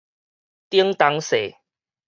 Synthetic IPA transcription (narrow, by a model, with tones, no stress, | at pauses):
t̪i˦əŋt̪a˧ŋse˨˩˨